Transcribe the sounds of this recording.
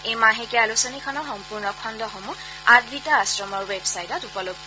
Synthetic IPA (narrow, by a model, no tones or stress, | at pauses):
ejmaɦekɛalusɔnikʰɔnɔxɔmpuɹnɔkʰɔndɔxomu | adbʱitaːsɹɔmɔɹwebsajtɔtupɔloɡ̚